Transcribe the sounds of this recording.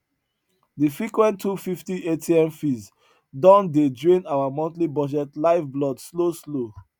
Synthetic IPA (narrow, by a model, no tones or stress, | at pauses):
difɹikwɛ̃ntʰːufiftiʔetʰiɛ̃mfiz | dɔ̃nded͡ʒɔ̃j̃nawamɔ̃ntlibɔd͡ʒɛtlaɪvblɔdsloslo